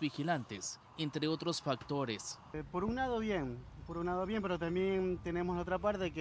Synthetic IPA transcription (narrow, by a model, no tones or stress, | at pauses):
bixilant̪es | ent̪ɾeo̞t̪ɾosfak̚t̪o̞ɾes | po̞ɾunlað̞o̞βje̞npoɾunlaðoβje̞mpe̞ɾot̪ambje̞nt̪e̞ne̞moslaot̪ɾapaɾt̪e̞ke